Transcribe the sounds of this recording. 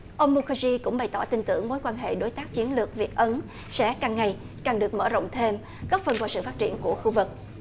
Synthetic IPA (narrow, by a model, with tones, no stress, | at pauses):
ʔə˧wŋ͡mmu˧xə˧zi˧kʊ̰˧˥ŋ͡mɓa˨˩jt̪ɔ˧˩t̪ï˧ŋt̪ɨ̰˧˩əŋmo˨˦jkwaː˧nɦḛ˧˨ɗo˨˦jt̪aː˦˥k̚t͡ɕi˨˦ənlɨ˨˩ək̚vi˨˩ək̚ʔə˨˦n | sɛ̰˧˥kaː˨˩ŋːa˨˩j | kaː˨˩ŋɗɨ˨˩ək̚məː˧˩zo̰˧˨wŋ͡mt̪ʰe˧m | ɣɔ˦˥p̚fə˨˩nvaː˧˩sɨ̰˧˨faː˦˥t̚t͡ɕḭ˧˩ənku˧˩əxu˧vɨ˨˩k̚